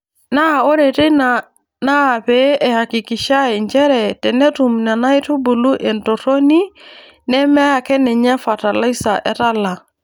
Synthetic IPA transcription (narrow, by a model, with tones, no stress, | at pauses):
na˦˨o˦ɾe˨te˦na˨ | naː˦˨pɛ˦ɛ˨ha˨ki˨ki˨ʃa˦i˨ɲt͡ʃɛ˦ɾɛ˨tɛ˨nɛ˦tu˨mna˨na˦i˦tu˦bu˨lu˦ʔɛ˨nto˨to˦ni˦ | nɛ˦mɛ˦a˨kɛ˦nɛ˨ɲa˦fa˨ta˨la˦i˦sa˨ʔɛ̰˨ɾa˦la˨